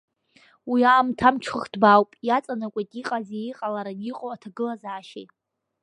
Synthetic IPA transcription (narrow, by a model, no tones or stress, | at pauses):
wiaːmtʰamʈ͡ʂʰχɨχd̥bawpʼjat͡sʼanakʷʼajtʼiqʼazejiqʼalaɾaniqʼowatʰaɡɨlazaːʃejtʼ